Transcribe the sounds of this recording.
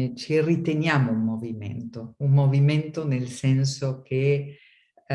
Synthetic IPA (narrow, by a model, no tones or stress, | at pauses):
t͡ʃirit̪enjaːmoummovimḛnt̪oumːoviment̪onelsɛnsokʰe